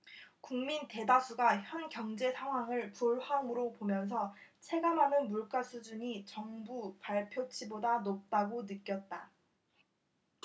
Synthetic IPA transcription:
kuŋminte̞dasʰuɡaçjʌnkjʌŋd͡ʑe̞sʰaŋɦwaŋɯɭpuɭhaŋɯɾopomjʌns̬ʰʌt͡ɕʰe̞ɡamɦanɯnmuɭk͈asʰud͡ʑuɲit͡ɕʌŋbupaɭpʰjot͡ɕʰibodanop̚t͈aɡonɯk͈jʌt̚t͈a

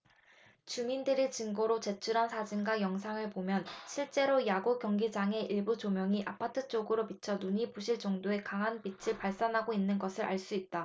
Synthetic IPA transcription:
t͡ɕumindɯɾit͡ɕɯŋɡoɾot͡ɕe̞t͡ɕʰuɾansʰad͡ʑinɡajʌŋsʰaŋɯɭpomjʌnɕʰiɭt͡ɕ͈e̞ɾojaɡokjʌŋɡid͡ʑaŋe̞ʔiɭbut͡ɕomjʌŋiʔapʰatʰɯt͡ɕ͈oɡɯɾopit͡ɕʰʌnuɲipuɕʰiɭt͡ɕʌŋdoe̞kaŋɦanpit͡ɕʰiɭpaɭs͈anɦaɡoinːɯnɡʌsʰɯɾʔa̰ɭs͈uit̚t͈a

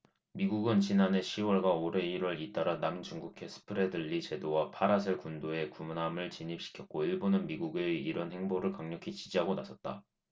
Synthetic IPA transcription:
miɡuɡɯnt͡ɕinane̞ɕʰiwʌɭɡwaoɾe̞iɾwʌɭit͈aɾanamt͡ɕuŋɡukʰe̞sʰɯ̥pʰɯɾe̞dɯʎːit͡ɕe̞dowapʰaɾas̬ʰɯɭkundoe̞kumunɦamɯɭt͡ɕiɲipɕ͈ʰi̥kʰjʌk̚k͈oiɭbonɯnmiɡuɡeiɾʌnhe̞ŋboɾɯɭkaŋɲʌkʰit͡ɕid͡ʑiɦaɡonasʰʌt̚t͈a̰

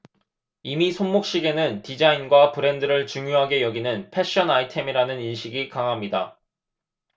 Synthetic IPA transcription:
imisʰonmok̚ɕ͈iɡe̞nɯntid͡ʑainɡwapɯɾe̞ndɯɾɯɭt͡ɕuŋjoɦaɡe̞jʌɡinɯnpʰe̞ɕ͈ʌnaitʰe̞miɾanɯninɕʰiɡikaŋɦamɲida

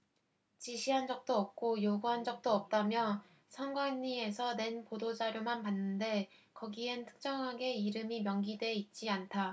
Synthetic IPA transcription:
t͡ɕiɕʰiɦand͡ʑʌk̚t͈oʌp̚k͈ojoɡuɦand͡ʑʌk̚t͈oʌp̚t͈amjʌ | sʰʌŋɡwaɲːie̞sʰʌne̞npodod͡ʑaɾjomanpanːɯnde̞ | kʌɡientʰɯ̥k̚t͡ɕ͈ʌŋɦaɡe̞iɾɯmimjʌŋɡidwe̞it̚t͡ɕ͈iantʰa

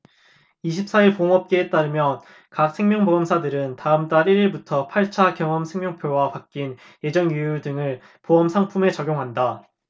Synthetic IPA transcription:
iɕʰip̚s͈aiɭpoʌmʌp̚k͈eːt͈aɾɯmjʌn | kak̚sʰeŋmjʌŋboʌmsʰadɯɾɯntaɯmt͈aɾiɾiɭbutʰʌpʰaɭt͡ɕʰakjʌŋʌmsʰe̞ŋmʲjʌŋpʰjowapak͈̚in | je̞d͡ʑʌŋjujudɯŋɯɭ | poʌmsʰaŋpʰume̞t͡ɕʌɡʲjoŋɦanda

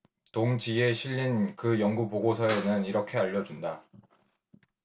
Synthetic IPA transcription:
toŋd͡ʑie̞ɕʰiʎːinkɯjʌŋɡupoɡosʰʌenɯniɾʌkʰe̞aʎːʌd͡ʑunda

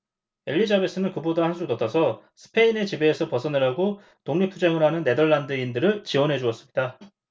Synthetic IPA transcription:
e̞ʎːid͡ʑabis͈ʰɯnɯnkɯbodahansʰudʌt͈ʰʌsʰʌsʰɯ̥pʰe̞ine̞t͡ɕibe̞ːsʰʌpʌsʰʌnɯɾɦaɡo | toŋɲipʰːud͡ʑeŋɯɾɦanɯnːe̞dʌɭːandɯindɯɾɯɭt͡ɕiwʌnɦe̞d͡ʑuʌs͈ɯmɲida

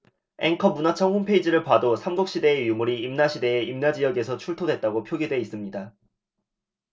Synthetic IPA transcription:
e̞ŋkʰʌmunat͡ɕʰʌŋhompʰeid͡ʑiɾɯɭpadosʰamɡok̚ɕ͈ide̞ːjumuɾiːmnaɕʰide̞ːimnad͡ʑijʌɡe̞sʰʌt͡ɕʰuɭtʰodwe̞t̚t͈aɡopʰjoɡidwe̞is͈ɯmɲida

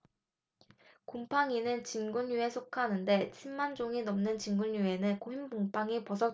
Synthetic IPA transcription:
kompʰaŋinɯnt͡ɕinɡuɲjue̞sʰokʰanɯnde̞t͡ɕʰimːand͡ʑoŋinʌmnɯnt͡ɕinɡuɲjue̞nɯnkoɦimboŋpʰaŋipʌsʰʌ

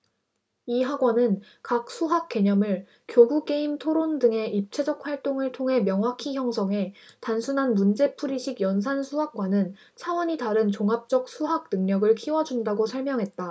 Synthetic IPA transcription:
iɦaɡwʌnɯn | kak̚s͈ʰuɦak̚k͈e̞ɲʌmɯɭ | kjoɡuk͈e̞imtʰoɾondɯŋe̞ʔip̚t͡ɕʰe̞d͡ʑʌk̚ɸwaɭt͈oŋɯɭtʰoŋɦe̞mjʌŋwakʰiçjʌŋsʰʌŋɦe̞tansʰunɦanmund͡ʑe̞pʰuɾiɕʰiɡjʌnsʰansʰuɦak̚k͈wanɯn | t͡ɕʰawʌɲitaɾɯnt͡ɕoŋap̚t͡ɕ͈ʌk̚sʰuɦak̚nɯŋɲʌɡɯɭkʰiwʌd͡ʑundaɡosʰʌɭmjʌŋɦe̞t̚t͈a

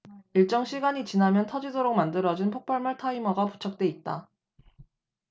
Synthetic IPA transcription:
iɭt͡ɕ͈ʌŋɕʰiɡaɲit͡ɕinamjʌntʰʌd͡ʑidoɾok̚mandɯɾʌd͡ʑinpʰok̚pʰaɭmaɭtʰaimʌɡapu̥t͡ɕʰak̚t͈we̞it̚t͈a

